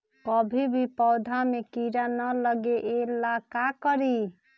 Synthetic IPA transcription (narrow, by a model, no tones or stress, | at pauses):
kɔbʱibʱipɔʊd̪ʱamekiɾanələɡeʔelakakəɾi